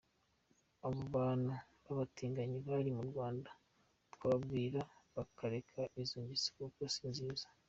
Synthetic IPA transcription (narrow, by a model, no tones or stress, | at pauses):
aβoβaːnhu | βaβatiːŋɡaɲiβaɾimuɾɡwaːnda | twaːbɡiːɾaβakaɾe̞kʰaiziːɲɟit͡si̥kukwasiːnziːzḁ